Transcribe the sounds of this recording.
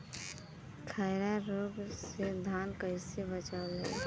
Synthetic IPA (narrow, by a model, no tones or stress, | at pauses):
kʰaɪɾaɾoːɡsed̪ʱaːnkəisebət͡ʃalə̰i